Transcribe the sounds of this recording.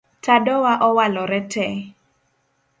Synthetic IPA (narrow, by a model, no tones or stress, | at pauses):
tadɔwaʔɔwalɔɾɛtɛ